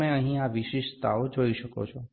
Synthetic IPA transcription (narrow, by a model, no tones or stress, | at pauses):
ẽəɦĩaʋiʃiʃt̪a̰od͡ʒoiʃəko̰t͡ʃʰɔ